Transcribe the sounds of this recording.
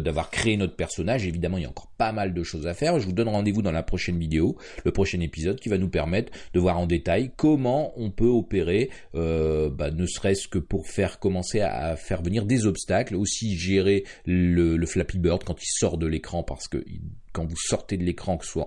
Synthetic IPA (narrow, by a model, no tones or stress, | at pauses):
d̪avwaʁkχeːnɔt̪χəpɛʁsɔnaʒevid̪amɑ̃iljaɑ̰̃kɔʁpamald̪əʃozafɛʁʒəvud̪ɔnʁɑ̃d̪evud̪ɑ̃lapχɔʃɛnvid̪eo | ləpχɔʃɛnepizɔd̪̚kʲivanupɛʁmɛt̪χd̪əvwaʁɑ̃d̪et̪ajkɔmɑ̃ɔ̃pøɔpeʁe | øbanəsəʁɛskəpuʁfɛʁkɔmɑ̃sea̰fɛʁvəniʁd̪ezɔpst̪aklosiʒeʁelələflapibœʁd̪̚kɑ̃t̪ilsɔʁd̪əlekχɑ̃pa̰ʁsə̥kə̰ʔḭkɑ̃vusɔʁt̪ed̪əlekχɑ̃kə̥swa̰